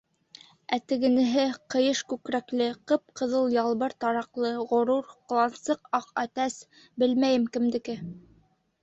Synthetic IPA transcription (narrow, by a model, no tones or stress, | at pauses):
æt̪ɘ̆ɡɘ̆nɘ̆ɦɘqɤ̆jɤʃkʉkɾæklɘqɤp̚qɤ̆ðɤlˠjɑlˠβɤɾt̪ɑɾɑqlˠɤʁŏɾuɾq̆lˠɑnsɤqɑqæt̪æs | bɘlmæjɘmkɘ̆md̪ɘ̆kɘ